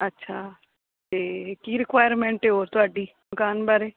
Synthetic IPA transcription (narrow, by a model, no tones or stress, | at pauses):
ətːʃʰaː | t̪eːkiːɾɪkʋaːjəɾmẽːɳʈeoːɾt̪ʊaːɖiː | mʊkaːnbaɾeː